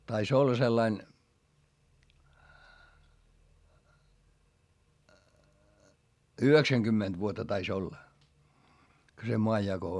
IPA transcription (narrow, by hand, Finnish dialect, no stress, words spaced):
tɑis olːɑ selːɑin yheksæŋɡ̊ymːend̥ ʋuotːɑ tɑis olːɑ ko se moɑjːɑko